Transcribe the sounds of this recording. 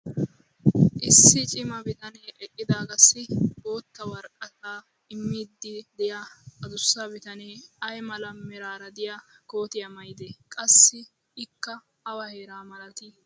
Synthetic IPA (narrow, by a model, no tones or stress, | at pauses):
ʔɪsːɪt͡ʃʼɪmɐbɪt̪ɐneːʔɛkʼːɪd̪aːɡɐsːɪboːt̪ːɐwɐɾkʼːɐt̪aː | ɪmːiːd̪ːɪd̪ɛjaɐd̪ʊsːabɪt̪ɐneːɐjmɐlɐmːɛɾaːɾɐd̪ɪjɐko̞ːt̪ɪjɐmɐjd̪eːkʼɐsːɪː | kːɐ | ɐwɐheːɾaːmɐlɐt̪i